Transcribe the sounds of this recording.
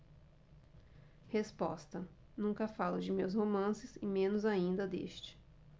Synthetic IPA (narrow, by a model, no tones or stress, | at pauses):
hespɔ̰st̪ɐ | nũkɐfalʊd͡ʒɪmews̬homɐ̃sɪzɪmẽnʊzaĩnd̪ɐd̪ḛst͡ʃɪ̥